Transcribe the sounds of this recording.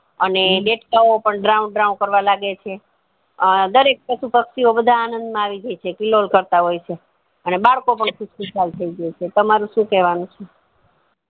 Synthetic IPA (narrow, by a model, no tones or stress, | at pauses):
əneleʈkaopəɳɖɾaunɖɾaũnkəɾʋalaɡet͡ʃʰe | əd̪əɾek̚pəʃupəkʃiobəd̪ʱaːnənd̪mãaʋid͡ʒəjt͡ʃʰekilolkəɾt̪aɦojt͡ʃʰe | ənebaɭkopəɳkʰubskutalt̪ʰəid͡ʒəet͡ʃʰet̪əmaɾũʃũkɛʋanũt͡ʃʰe